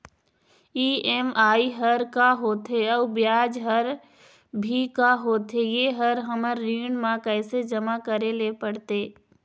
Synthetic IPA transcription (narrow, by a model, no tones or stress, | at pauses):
iːemaːiɦəɾkaɦoːt̪ɦeɔːɾbjaːd͡ʒɦəɾ | bʱikaɦoːt̪ɦejeɦəɾɦəməɾːiːɳmãkɛɪsed͡ʒəmakəɾelepəɽt̪eː